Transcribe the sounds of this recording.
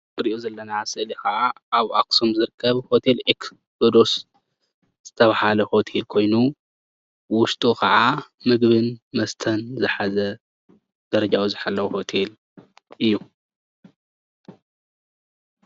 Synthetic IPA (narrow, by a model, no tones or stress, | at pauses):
ɨɾiʔozɐlːɐnasɨʔlikʰɐʔa | aβʔaksomzɨɾɨkʰːɐβho̞t̪ʰe̞lʔeks | bɨd̪os | z̥ɨt̪ʰɐβahalɐho̞t̪ʰe̞lkʰo̞jnu | wʊʃt̪ʼukʰɐʕa | mɨɡβɨnmɐst̪ʰɐnzɨħazɐ | d̪̥ɐɾɐd͡ʒawuzɨħalːɐwho̞t̪ʰe̞l | ʔɨjːu